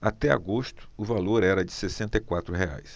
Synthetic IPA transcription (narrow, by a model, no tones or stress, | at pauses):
at̪ɛa̰ɡost̪ʊ̥ʊvaloɾɛɾɐd͡ʒɪsesẽnt̪ejkwat̪ɾʊɦea̰js